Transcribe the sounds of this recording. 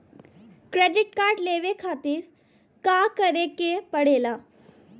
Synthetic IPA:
kɾeːɖɪʈ̚kaːɾɖleːʋekʰaːt̪ɪɾ | kaːkəɾekepəɽ̤eːlaː

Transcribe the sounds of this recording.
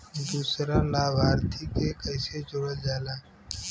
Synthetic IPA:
d̪uːsɾalaːbaːɾt̪ʰikekəɪsed͡ʒʊɽəd͡ʒaːlaː

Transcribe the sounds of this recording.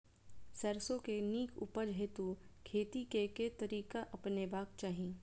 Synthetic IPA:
sɐɾsõkeniːkʰṵpəɾd͡ʒɦet̪ukʰeːt̪ikeket̪ɐɾiːkaʔɐpnebaːk̚t͡ʃaːɦĩː

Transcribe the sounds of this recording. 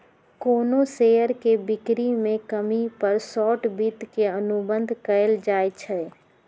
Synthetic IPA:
koːnoseːəɾkebɪkɾimẽkəmipəɾsɔːʈbit̪keənʊbə̃nd̪ʱkəəld͡ʒaːet͡ʃʰɛ

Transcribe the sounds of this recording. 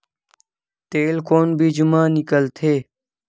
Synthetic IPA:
t̪eːlkoːnbʱiːd͡ʒumãːnɪkəlt̪ʰeː

